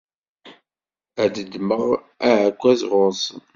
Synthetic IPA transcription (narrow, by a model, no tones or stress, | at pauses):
æd̪əd̪məʁ | æʕəkʷːæzʁoz